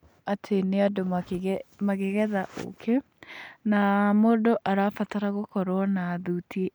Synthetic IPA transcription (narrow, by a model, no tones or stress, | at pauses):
atʰeneado | maɣeɣɛðaʔo̰kʰe | namoːdoʔaɾafataɾaɣokɔɾwɔnaːðutie